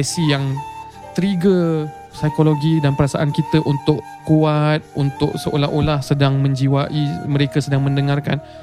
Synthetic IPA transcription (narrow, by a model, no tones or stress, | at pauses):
ɛsijaŋ | t̪əɾiɡə | sajkoloɡidanpəɾasa̰ʔankit̪əʔunt̪ʊʔ | kuat̪̚unt̪ʊʔ̚səʔo̰laɦʔolahsədaŋmə̃ɲd͡ʒiwaʔiməɾekəsədaŋmə̃ndəŋarka̰n